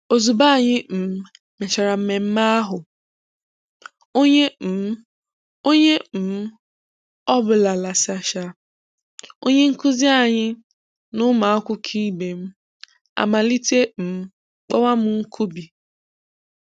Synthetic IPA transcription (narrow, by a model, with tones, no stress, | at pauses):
o˨zu˨ba˦˨ɲɪ˦m̩˨m̩˦ | me˨t͡ʃa˨ɾa˨m̩˦me˨m̩˦ma˦a˦ɦʊ˨ | o˦ɲe˦m̩˨m̩˦ | o˦ɲe˦m̩˨m̩˦ | ɔ˦bʊ˨la˨la˨sa˨ʃa˦ | o̰˦ɲe˦ŋ̩˦kʊ˦zi˦a˨ɲɪ˦ | nʊ˦ma˨a˦kʷʊ˦kʰi˦be˨m̩˦ | a̰˨ma˨li˦te˦m̩˨m̩˦ | k͡pɔ˦wa˦mʊ˨˦ŋ̩˦kʰu˦bi˨